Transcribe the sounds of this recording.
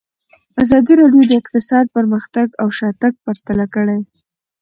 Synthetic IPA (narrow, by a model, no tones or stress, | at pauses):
azɑd̪iɾɑɖjod̪əɪqt̪ɪsɑd̪̚pəɾməxt̪aɡawʃɑt̪aɡ̚paɾt̪alakəɽaj